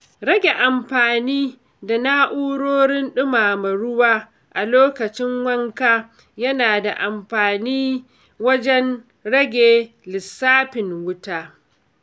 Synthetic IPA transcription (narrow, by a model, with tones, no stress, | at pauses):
ɾɐ˦ɡʲe˨ʔa˨mɸaː˨niː˦ | da˨na˦ʔuː˦ɽoː˦ɽɪ˦nɗʊ˦maː˨mɐ˨ɽʊ˦waː˦ | ʔa˨loː˦kɐ˨t͡ʃɪ˦ŋwɐ˦ŋkaː˦ | jɐ˦naː˨da˨ʔa˨mɸaː˨niː˦ | wɐ˦d͡ʒɛ˦n | ɽɐ˦ɡʲeː˨ | lɪ˨sːaː˦ɸɪ˨ŋwʊ˦taː˦